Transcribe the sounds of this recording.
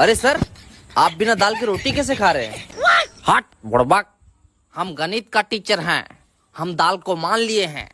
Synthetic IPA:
ɐɾesɐɾ | aːp̚bɪnad̪aːlkiɾoːʈikɛːs̬ekʰaːɾẽ | haːʈ̚bʊɽbak̚ | hɐmɡɐniːt̪kaʈiːt͡ʃəɾɦɛ̰̃ː | hɐmd̪aːlkomaːnlieɦɛ̰̃ː

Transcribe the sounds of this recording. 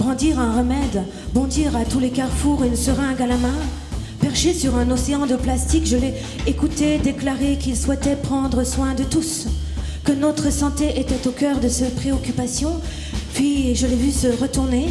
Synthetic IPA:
b̥ʁɑ̃d̪iʁɛ̃ʁəmɛd̪ | bɔ̃d̪iʁat̪ulekaʁfuʁynsəʁɛ̃ɡalamɛ̃ | pɛʁʃesyʁɛ̃nɔseɑ̃d̪əplast̪ikʒəlɛ | ekut̪ed̪eklaʁekilswɛt̪ɛpχɑ̃d̪ʁəswɛ̃d̪ət̪us | kənɔt̪χəsɑ̃t̪eʔet̪ɛt̪okœʁd̪əsɛpχeɔkʲypasjɔ̃ | pɥiʒəlɛvysəʁət̪uʁne

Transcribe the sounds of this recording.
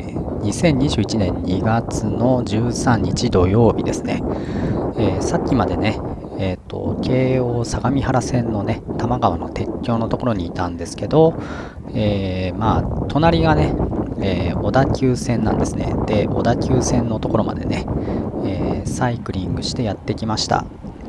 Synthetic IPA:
ɲ̟isẽ̞ɲ̟ːiʑɨːit͡ɕinẽ̞ɲɲiɡat͡sɨno̞ʑɨːsãɲ̟ːit͡ɕid̪o̞jo̞ːbʲid̪e̞sɨne̞̰ | eːsakʲːimad̪e̞ne̞ | eːt̪ʰːo̞̰kʰe̞ːo̞ːsaɡamʲihaɾasẽ̞nːo̞ne̞t̪amaɡaβa̰no̞̰t̪e̞kʲːo̞ːno̞t̪o̞ko̞ɾo̞ɲ̟iːt̪ãnd̪e̞sɨ̥ke̞d̪o̞ | eːmaːt̪ʰo̞naɾʲiɡane̞eːo̞d̪akʲɨːsẽ̞nːã̰nd̪e̞sɨne̞̰d̪̥e̞ʔo̞̰d̪akʲɨːsẽ̞nːo̞t̪o̞ko̞ɾo̞ma̰d̪e̞̰ne̞eːsaikɯ̟ɾʲĩŋɡɯ̟ɕi̥t̪e̞jat̪ːe̞kʲimaɕi̥t̪a̰

